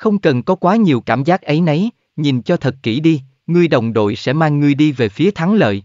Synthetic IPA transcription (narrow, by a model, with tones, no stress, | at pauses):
xə˧wŋ͡mkə˨˩nkɔ˨˦kwaː˨˦ɲi˨˩əwkaː˧˩mzaː˦˥k̚ʔə˨˦jnə˨˦j | ɲi˨˩nt͡ɕɔ˧t̪ʰə˨˩t̚kḭ˧˩ɗi˧ | ŋɨ˧əjɗə˨˩wŋ͡mɗo̰˧˨jsɛ̰˧˥maː˧ŋːɨ˧əjɗi˧ve˨˩fi˨˦ət̪ʰa˨˦ŋlə̰ː˧˨j